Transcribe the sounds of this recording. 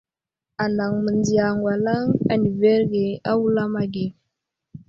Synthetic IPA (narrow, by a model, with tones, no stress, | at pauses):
a˨na˨ŋmə˨nd͡zi˨ja˨ŋɡwa˨la˦ŋa̰˨ni˨ve˦ɾɡe˨a˦wu˦la˦ma˨ɡi˨